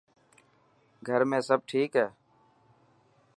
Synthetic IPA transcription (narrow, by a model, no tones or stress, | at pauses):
ɡʱəɾmẽːsəb̚ʈʰiːkɦɛː